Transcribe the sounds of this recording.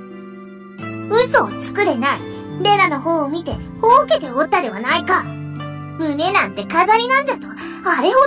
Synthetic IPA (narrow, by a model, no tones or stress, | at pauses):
ɯ̟so̞ːt͡sɨ̥kɯ̟ɾe̞naiɾe̞nano̞hoːmʲit̪e̞hoːke̞t̪e̞o̞t̪ːad̪e̞βanaika | mɯ̟ne̞nãnt̪e̞kazaɾʲinãɲ̟d͡ʑat̪o̞ | aɾe̞ho